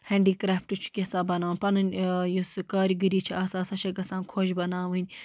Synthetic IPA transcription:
hẽːɳɖiːkɾaːfʈut͡ʃʰu̥kʲesãːbɐnaːʋnʲpɐnɨnʲjuskaːɾiɡɨɾiːt͡ʃʰiaːsaːsɐʃʰɐɡɐsãːnkʰoʃbɐnaːʋɨnʲ

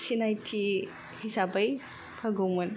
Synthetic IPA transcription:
sinajtʰi | hisabɐj | pʰɐɡomɐn

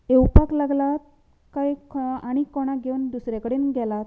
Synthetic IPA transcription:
ewpaklaɡlat̪̚ | kajaɽ̃ikɔɽ̃aɡeund̪usɾakəɽiːnɡʱɛlat̪

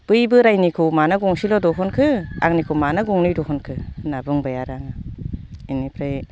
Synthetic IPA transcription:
pɯjbɯɾajnikʰɯmanaɡɔŋsilɔdɔɦɔnkʰɯa̰ŋnikʰɯwmanaɡɔŋnɯjdɔɦɔnkʰɯnabɯŋbajaɾaŋa | inipʰɾaj

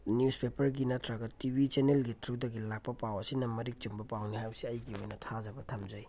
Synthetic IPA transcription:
njuspepɐɾɡinɐtʰɾɐɡɐtibit͡ʃenelɡitʰɾudɐɡilak̚pɐpawɐsinɐmɐɾik̚t͡ʃumbɐpawnihajwsiɐjɡiojnɐtʰazɐbɐtʰɐmzɐj

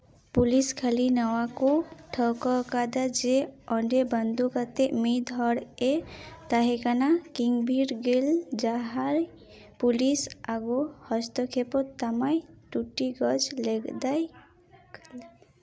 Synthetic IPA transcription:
puliskʰalinawakoʈʰɔkɔkad̪ad͡ʒeɔɳɖebənd̪ukat̪emid̪ʱɔɽet̪aɦekanakiŋɡbʱiɾɡeld͡ʒaɦaɾ | pulisaɡohɔst̪ɔkʰepɔt̪ːamajʈuʈːiɡɔd͡ʒleɡd̪aj

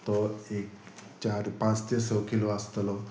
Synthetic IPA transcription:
t̪ɔek | t͡ɕaɾpãt͡st̪esəwkiloəst̪lɔ

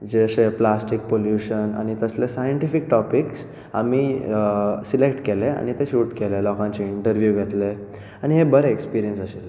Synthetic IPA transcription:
d͡ʑeseplasʈik̚poljuɕəna̰ñit̪əslesajəɳʈifik̚ʈɔpiks | a̰mi | silekʈkelea̰ñit̪eɕuːʈkelelɔkãɲt͡ɕeiɳʈəɾʋjuɡʱet̪le | añiɦebəɾeekspiɾijənsəɕel

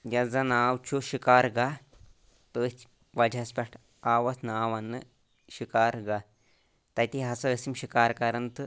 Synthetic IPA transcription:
jɐd͡zanaːwt͡ʃʰuʃikaːɾɡa | t̪ə | ʋɐd͡ʒʱaspʲɛʈʰ | aːʋɐsnaːʋɐnːɨ | ʃikaːɾɡa | t̪ɐjt̪iɦɐsɐəsimɕikaːɾkɐɾɐnt̪ɨ

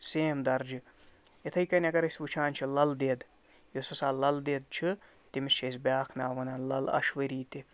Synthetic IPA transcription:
seːmd̪ɐɾd͡ʒɨ | et̪ʰɐjkɐnʲɐɡɐɾɐsʲʋut͡ʃʰaːnʲt͡ʃʰilɐld̪eːd̪ | josɐsaːlɐld̪eːd̪̚t͡ʃʰɨ | t̪imiʃɐsʲbʲaːkʰnaːʋɐnɐːnlɐlɐ̰ʃʋɐɾiːt̪i

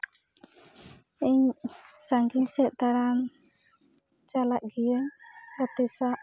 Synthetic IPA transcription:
ɛɲsaŋɡiɲsɛʔ̪̚t̪aɽan | t͡ʃalaʔɡijəɡat̪ɛsaʔ

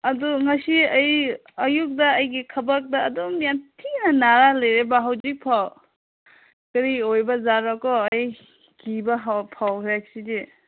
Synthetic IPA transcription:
ɐdɔŋɐsiɐj | ɐjuk̚dɐːjɡikʰɐbak̚daːdomijantʰiŋnɐnaɾalɐjɾebaɦawzik̚pʰaw | kɐɾiojbɐzaɾakɔːj | ɡibaɦpʰawkɾakside

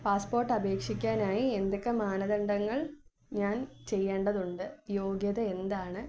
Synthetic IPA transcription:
paːspo̞ːrʈːɐbe̞ːkʂikʲːaːnaːjiend̪okːemaːnɐðɐɳɖɐŋːɐɭ | ɲaːnt͡ɕe̞jːe̞ːɳɖɐðuɳɖɨjo̞ːɡjɐðɐend̪aːɳɨ

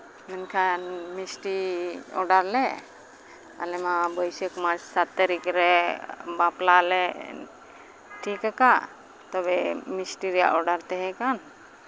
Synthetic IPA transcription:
mɛnkʰanmisʈiɔ̰ɾɖaɾlɛ | a̰lɛmabəjsəkmad͡ʒsat̪ːaɾikɾɛbaplalɛ | ʈʰikaka | t̪ɔbɛmisʈiɾija̰ʔɔɾɖaɾt̪ɛɦɛkan

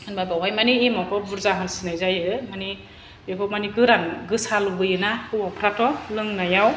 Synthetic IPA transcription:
ɯnbajbawɦajmaniːmakʰɔbuɾzaɦɯnsinɯjzajɯmani | bekʰɔmaniɡɯɾanɡɯsalubɯjɯnakɯwapʰɾatɔlɯŋnajaw

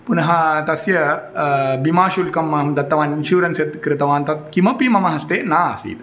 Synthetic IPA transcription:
punɐɦãt̪ɐsjɐ | bimaːʃulkɐmɐɐmd̪ɐt̪ːɐʋaːninʃuːɾɐnset̪kɾɪt̪ɐʋaːnt̪ɐt̪̚kimɐpimɐmɐɦɐst̪eːnaːɐsḭːt̪

